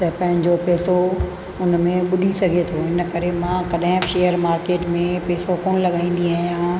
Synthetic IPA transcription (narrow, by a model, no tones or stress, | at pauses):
t̪ɐpɐ̃ɦɪ̃ɲd͡ʑopeːso | ʊnmẽɓʊɗʱisɐɡʱet̪ʰoɪnkɐɾemãkɐɗɦɪ̃ʃeːjəɾmaːɾkeːʈmẽpeːsokoːnlɐɠaːĩːn̆d̪iaːɦijã